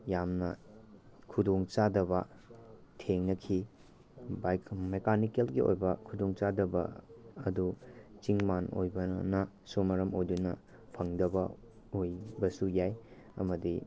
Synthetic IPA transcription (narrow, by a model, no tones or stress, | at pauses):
jamnɐ | kʰudoŋt͡ʃadɐbɐ | tʰeŋnɐkʰi | bajmekanikelɡio̰jbɐkʰudoŋt͡ʃadɐbɐ̰ɐdut͡ʃiŋmano̰jbɐnɐ | somɐɾɐmojdunɐ | pʰɐŋdɐbɐ | ojbɐsujaj | ɐ̰mɐdi